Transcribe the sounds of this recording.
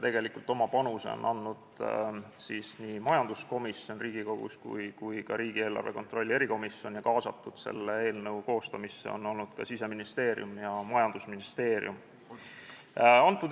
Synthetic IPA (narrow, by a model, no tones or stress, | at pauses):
t̪e̞ɡ̥e̞likult̪ˑo̞mɑpɑnusḛo̰nʔɑnːud̪̥ | sisniːmɑjɑnd̪̥usko̞misjo̞nriːɡ̥iko̞ɡ̥ṵskṵjkujkɑɾiːɡ̥ie̞lːɑ̰rve̞ko̞nt̪ˑro̞lʲːie̞ɾiko̞misjonjɑkɑːsɑt̪ːˑud̪̥se̞̰lːee̞ːlnɤwko̞ːst̪ɑmisːḛo̞̰no̞lnud̪̥kɑ̰sise̞minist̪e̞ːɾj̰umjɑmɑjɑnd̪̥usminist̪e̞ːɾḭjum | ɑnt̪ːˑud̪